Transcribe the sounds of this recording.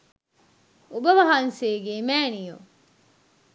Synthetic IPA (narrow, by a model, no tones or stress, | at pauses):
ubɐʋɐɦanseːɡeːmæːnijo